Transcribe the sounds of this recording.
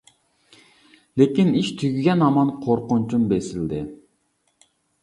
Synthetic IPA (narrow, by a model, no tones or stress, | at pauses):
lekʲiniʃt̪ʰyɡʲyɡʲɛnɑmɑnqʰoɾqʊnt͡ʃʰumbesɪld̪ɪ